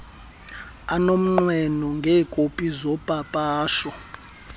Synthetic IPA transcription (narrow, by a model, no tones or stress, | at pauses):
anom̩ŋ͡ǃwɛnɔŋɡʱɛːkʼopʼizɔpʼapʼaːʃɔ